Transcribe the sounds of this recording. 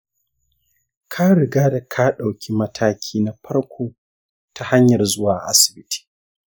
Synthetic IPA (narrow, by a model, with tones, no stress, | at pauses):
kʰa˦ɽɪ˨ɡaː˦da˨kʰaː˦ɗa˨wkʲi˦mɐ˦tʰaː˦kʲʰiː˦na˨ɸɐ˦ɽkʷoː˦ | tʰa˨ha˦ɲjɐ˨rzʊ˦waː˨ʔa̰˦sɪ̥˨bɪ˦tʰi̥ː˨